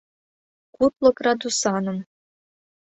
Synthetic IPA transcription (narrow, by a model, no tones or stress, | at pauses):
kut̪lˠɤ̆krɑd̪usɑnŏm